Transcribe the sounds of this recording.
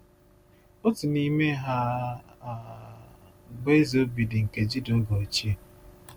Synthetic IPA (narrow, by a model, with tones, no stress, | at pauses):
o˦tu˨ni˦me˦ɦa˦˨ | ɡ͡be˦zo˦bi˨dɪ˨ŋ̩˨ke˨d͡ʒi˦do˦ɡɔ˨o˨t͡ʃi˦e˨